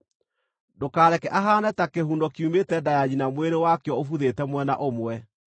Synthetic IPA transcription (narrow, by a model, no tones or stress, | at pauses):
dokaːɾɛkɛʔaɦanɛtakehuːndɔkjumetɛdajaɲinamweɾewakjɔofuðetɛmwɛna̰ʔomwɛ